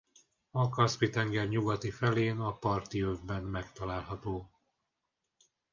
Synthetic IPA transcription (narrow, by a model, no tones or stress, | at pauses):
ɒkɒspit̪ɛŋɡɛrɲuɡɒt̪ifɛleːnɒpɒrt̪iøvbɛnmɛkt̪ɒlaːlɦɒt̪oː